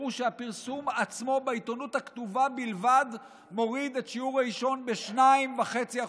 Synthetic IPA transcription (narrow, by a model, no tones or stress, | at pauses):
uʃeapiʁsumat͡smo̞beit̪o̞nuthakt̪uvabilvad̪ | mo̞ʁid̪e̞tʃiuʁaiʃo̞nbeʃnaimvaχe̞t͡sia